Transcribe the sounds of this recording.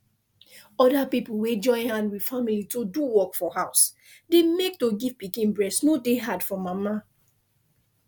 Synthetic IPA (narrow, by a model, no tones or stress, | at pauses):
ɔdapipuwed͡ʒɔ̃ɪ̃hãndwi̥familitoduwɔkfɔhaʊs | demek̚toɡivpikĩnbɹɛsnodeɦadfɔ̃mama